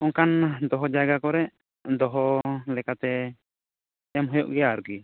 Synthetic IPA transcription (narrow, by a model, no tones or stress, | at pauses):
ɔŋkand̪ɔɦɔd͡ʒaɡakɔɾɛʔ | d̪ɔɦɔlɛkat̪ɛ | ɛmɦɔjɔʔɡɛjaːɾuki